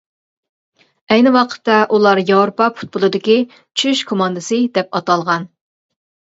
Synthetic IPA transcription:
ɛjnɪwɑqʰə̥t̪ːɑʔulˠɑɾjɑwɾpɑpʰu̥t̪̚bʊlˠɨd̪ɪkʲi | t͡ʃʰyʃkʰomɑnd̪ɨsɨd̪ɛp̚ɑt̪ɑlˠʁɑn

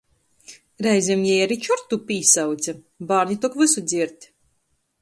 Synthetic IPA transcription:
ɾɛjzʲɛmjɛjaɾit͡ʃɔɾt̪ːupiːsawt̪sʲɛ | baːɾnit̪ɔkvɨsud̪zʲiɛɾt̪ʲ

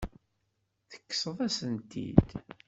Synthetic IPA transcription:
θə̥kːə̥səðˤæsənt̪ḭd̪

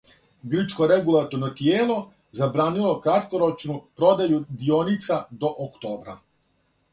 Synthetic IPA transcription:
ɡr̩t͡ʃko̞ɾeɡulˠat̪oɾnot̪jeːlˠo̞ | zabɾaːnilo̞kɾat̪koɾo̞t͡ʃnupɾo̞d̪ajud̪ionit̪sad̪o̞ʔokt̪oːbɾa̰

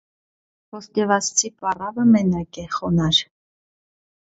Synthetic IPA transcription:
pɔst̪ɛvɑst͡sʰipʼɑrɑvəmɛnɑkɛχɔnɑɾ

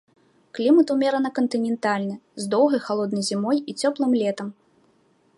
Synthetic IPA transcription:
klʲimɐt̪umʲɛɾɐnɐkɐnt̪ɨnʲɛnt̪alʲnɨzd̪ɔwɣɐjxalˠɔd̪nɐjzʲimɔjit͡sʲɔplˠɨmlʲɛt̪ɐm

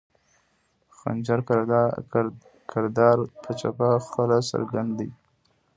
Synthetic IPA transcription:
xa̰nd͡ʒaɾ | kʰɪɾd̪ɑɾpʰət͡ʃapaxpəlasa̰ɾɡand̪i

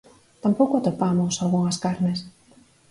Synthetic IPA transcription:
t̪ampowkoat̪opamosalɣuŋaskaɾnes

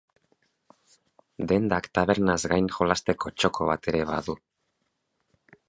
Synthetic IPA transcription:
d̪e̞nd̪akt̪aβe̞ɾnazɡajnʝo̞last̪e̞ko̞t͡ʃo̞kʰo̞β̞at̪e̞ɾe̞βa̰ðu

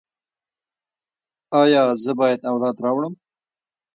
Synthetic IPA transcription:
ɑjɑzəbɑjad̪awlɑd̪ɾɑwɽəm

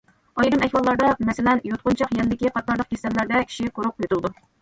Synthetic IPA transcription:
ɑjɾɨmɛhʲwɑlˠːɑɾd̪ɑmɛsɪlɛnjot̪̚qʊnt͡ʃʰɑqjɛnɪd̪ɪkʲiqʰɑt̪̚nɑɾlˠəq̚kʲesɛmlæɾd̪ɛkʲʰi̥ʃiqʰoɾʊq̚øt̪ulˠd̪u

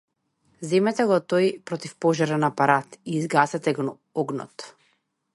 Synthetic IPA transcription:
zɛmɛt̪aɡɔt̪ɔjpɾɔt̪ifpɔʒaɾanapaɾat̪iːzɡasɛt̪ɛɡ | ɔɡnɔ̰t̪

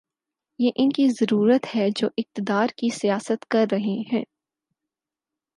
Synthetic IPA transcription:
jeːʔɪnkizɐɾuːɾət̪hɛd͡ʒoːʔɪq̚t̪ɪd̪aːɾkisijaːsət̪kɐɾːɐɦeɦɛ̃ː

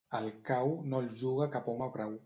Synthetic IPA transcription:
əlˠkawnolˠʒuɣ̞əkapɔmapɾaw

